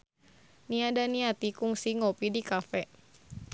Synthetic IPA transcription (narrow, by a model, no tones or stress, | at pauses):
niadaniat̪ikuŋsiŋɔpidikafɛ